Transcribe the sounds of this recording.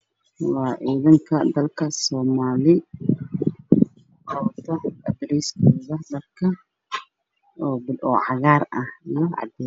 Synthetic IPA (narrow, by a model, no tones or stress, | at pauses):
wɑːʔiːðɪŋkʰɐd̪ɐlkʰɐsɔːmaːlɪ | qɑwt̪ʰɐɐd̪ɾɛjskuːðɐdɐbkʰɐ | ɔːbɪlɔʕɑɣaːɾɐhijɔʕɑ̰d̪ɛː